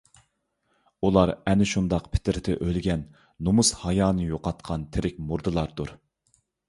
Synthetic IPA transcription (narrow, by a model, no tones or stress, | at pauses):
ulˠɑɾɛnɪʃund̪ɑqpʰɪ̥t̪ʰɪɾt̪ʰɛʔølɡʲɛnː | omushɑjɑːnɨjoqɑt̪qʰɑnt̪ʰeɾɪkʲmuɾd̪ɨlˠɑɾd̪uɾ